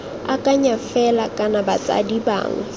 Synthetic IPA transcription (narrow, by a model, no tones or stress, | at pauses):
akʼaɲafɛlakʼanabat͡sʼa̰diba̰ːŋa